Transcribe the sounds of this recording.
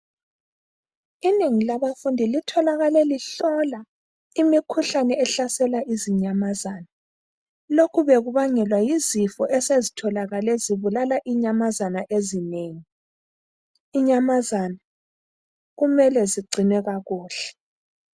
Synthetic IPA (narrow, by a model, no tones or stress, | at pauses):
ineŋilaβafundʱilitʰɔlaɣalɛliɬɔla | imikʰuɬanɛɛɬasɛlaʔiziɲamazana | lokʰuβeɣuβaŋɛlwajizifɔʔɛsezitʰɔlaɣalɛziβulalaʔiɲamazanaʔezineːŋi | iɲamazana | ɣumɛlɛziɡ͡ǀʱinɛɣaɣuːɬɛ̥